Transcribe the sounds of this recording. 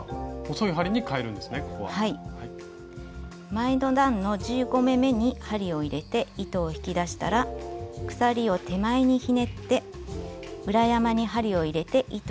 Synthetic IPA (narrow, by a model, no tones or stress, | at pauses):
kosojɯ̟ɦaɾʲiɲ̟ikaeɾɯ̟̃nd̪esɨneko̥koβa̰haihai | maid̪o̞d̪ãnno̞d͡ʑɨːɡo̞me̞me̞ɲ̟ihaɾʲio̞iɾe̞t̪e̞it̪o̞ːçi̥kʲid̪aɕi̥t̪a̰ɾakɯ̟̥saɾʲio̞t̪e̞maiɲ̟içine̞t̪ːe̞ | ɯ̟ɾajamaɲ̟iɦaɾʲio̞iɾe̞t̪e̞ʔit̪